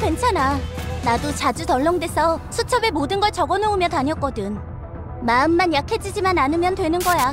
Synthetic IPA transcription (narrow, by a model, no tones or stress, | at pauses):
kwe̞nt͡ɕʰananadot͡ɕad͡ʑutʌɭːʌŋdwe̞sʰʌsʰut͡ɕʰʌbe̞modɯnɡʌɭt͡ɕʌɡʌnoumjʌtaɲjʌk͈ʌdɯn | maɯmːanjakʰed͡ʑid͡ʑimananɯmjʌndwe̞nɯnɡʌja